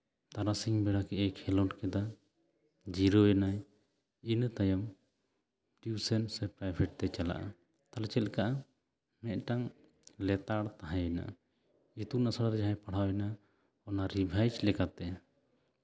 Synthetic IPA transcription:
t̪aɾasiŋbɛɽakɛʔɛkhɛlɔʈkɛd̪a | d͡ʒiɾɔɛnaj | int̪ajam | ʈisɛnsɛpɾajbʱɛʈ̚t̪ɛt͡ʃala̰ʔa̰ | t̪alɛt͡ʃɛlkaʔa | mɛʔ̪̚ʈaŋ | lɛt̪aɽt̪aɦãjɛna̰ʔa | it̪unasaɽaɾɛd͡ʒaɦajpaɽ̤awɛna | ɔnaɾibʱajd͡ʒlɛkat̪ɛ

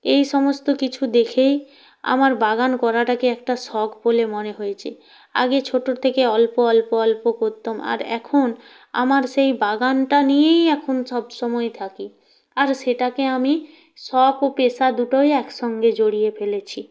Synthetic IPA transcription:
ejʃɔmost̪okit͡ɕʰud̪ekʰej | a̰maɾbaɡankɔɾaʈakeɛk̚ʈasɔɡbolemoneɦojet͡ɕʰe | a̰ɡet͡ɕʰoʈːot̪ʰekeɔlpoɔlpoɔlpokoɾt̪ːoma̰ɾɛ̰kʰon | a̰maɾʃejbaɡanʈanijejɛkʰonʃɔbʃɔmɔet̪ʰaki | aɾʃeʈakeami | ʃɔkopeʃad̪uʈojɛkʃɔŋɡed͡ʑoɽijefelet͡ɕʰi

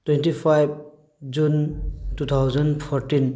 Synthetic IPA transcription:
twɛ̃nʈipʰajb | d͡ʒuntut̪ʰawzənɖpʰɔɾʈin

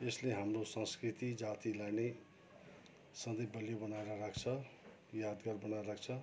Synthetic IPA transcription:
esleɦamrosʌ̃skɾit̪id͡zat̪ilajne | sʌnd̪ʌjbʌljabʌnaeɾʌɾakʰt͡sʰʌ | jad̪ɡʌrbʌnaɾak̚ʰt͡sʰʌ

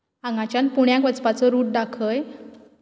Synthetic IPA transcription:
ãŋɡat͡ɕjãn̚puɳjãk̬ʋət͡spat͡sɔɾuːʈ̚ɖakʰəj

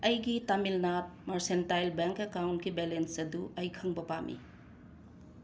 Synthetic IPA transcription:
ɐjɡitamilnap̚mɐɾsentajlbeŋkekawntkibelensɐduʔɐjkʰɐŋbɐpamʔḭ

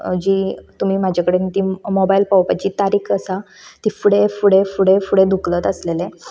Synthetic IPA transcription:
d͡ʑiːt̪um̤iːmad͡ʑʱakəɽenit̪iːmobailpawpat͡ɕiːt̪aɾiːkʰəsa | t̪ifuɽefuɽefuɽefuɽed̪uklət̪əslele

